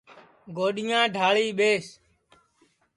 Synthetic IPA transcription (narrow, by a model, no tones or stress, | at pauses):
ɡoːɗɪjãːɖʱaːɭiːɓeːs